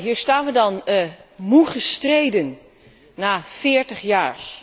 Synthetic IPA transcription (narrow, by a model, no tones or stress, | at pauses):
ɦiːɹstaːnʋədɑnmuχəstrejdənː | aːfɪːɹtəχjaːɹ